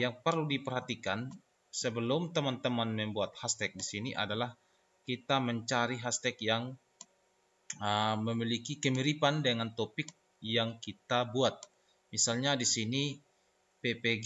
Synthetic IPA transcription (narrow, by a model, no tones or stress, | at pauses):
jaŋpərludipərɦat̪ikan | səbəlʊmt̪əmant̪əmanməmbuat̪̚hast̪ɛk̚disiniʔa̰dalah | kit̪aməɲt͡ʃaɾiɦast̪ɛkjaŋ | əməmilikikəmiɾipandəŋant̪opɪk̚ | jaŋkit̪abuat̪̚ | misalɲadisini | pepeɡ